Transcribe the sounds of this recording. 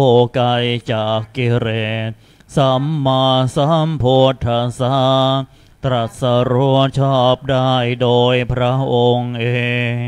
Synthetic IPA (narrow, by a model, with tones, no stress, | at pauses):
o˧˩ka˧jt͡ɕaː˨˩kːi˧˩ɾeː˨˩t̪̚ | sa˨˧˦mːa˧sa˧˩˥mpʰo˧t̪ʰːa˧sa˧˥ | t̪ɾa˨˩t̪̚sa˧ɾu˧˥ət͡ɕʰɔː˥˩p̚daː˥˩jdoː˧jpʰɾa˦˥ʔo˧ŋʔeː˧ŋ